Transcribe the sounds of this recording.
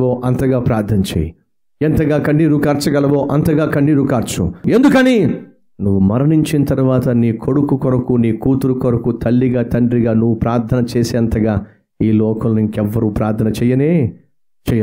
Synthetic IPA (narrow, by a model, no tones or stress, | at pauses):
oːʔɐnt̪ɐɡaːpɾaːɾt̪ʰɐnɐt͡ʃḛːji | ɛnt̪ɐɡaːkɐɳːiːɾukaːɾt͡ʃɐɡɐlɐʋoːʔɐnt̪ɐɡaːkɐɳːiːɾukaːɾt͡ʃṵend̪ukɐni | nuʋːumɐɾɐniɲt͡ʃinɐt̪ɐɾuʋaːt̪ɐniːko̞ɽukukɔɾɐkuniːkuːt̪uɾukɔɾɐkut̪ɐlːiɡaːt̪ɐɳɖɾiɡaːnuʋːupɾaːɾt̪ʰɐnɐt͡ʃeːseːɐnt̪ɐɡaː | iːlɔːkɐnːɐniŋkɛʋːɐɾuːpɾaːɾt̪ʰɐnɐt͡ʃɛjːɐneː | t͡ʃɛjɐ